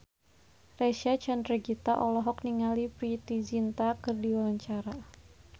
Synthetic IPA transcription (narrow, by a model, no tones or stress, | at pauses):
rɛʃat͡ʃandrɛɡit̪aʔɔlɔɦɔk̚niŋalipɾit̪izint̪akɨrdiwalaɲt͡ʃaɾa